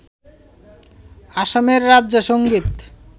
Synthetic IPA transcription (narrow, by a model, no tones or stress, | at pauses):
aʃameɾːadːd͡ʑaʃoŋɡit̪